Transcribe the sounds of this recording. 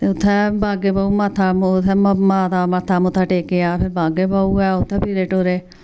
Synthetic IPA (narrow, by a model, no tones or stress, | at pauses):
t̪eːʊt̪ʰːɛːbʱaːɡeːbaːuːmaːt̪ʰːaːt̪ʰːɛːmaːd̪aːmat̪ʰːaːmʊt̪ʰːaːʈeːkeaːpʰɪɾbaːɡeːbaːuɛːʊt̪ʰːɛːpiːɾeːʈoːɾeː